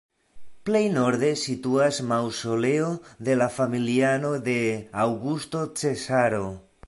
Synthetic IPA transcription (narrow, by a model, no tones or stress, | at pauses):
ple̞jno̞ɾd̪e̞situasmawso̞le̞o̞d̪e̞lafamiliano̞d̪e̞awɡusto̞t͡se̞saɾo̞